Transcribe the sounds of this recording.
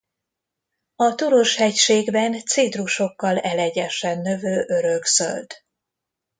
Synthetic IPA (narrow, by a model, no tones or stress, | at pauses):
ɒt̪uɾoʃhɛcʃeːɡbɛnt̪siːd̪ruʃo̞kːɒlɛlɛɟɛʃɛnːø̞vøːʔø̞ɾøksø̰ld̪